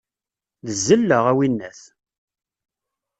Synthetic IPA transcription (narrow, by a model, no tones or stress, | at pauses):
ðəzːəlːəʁæwinːæθ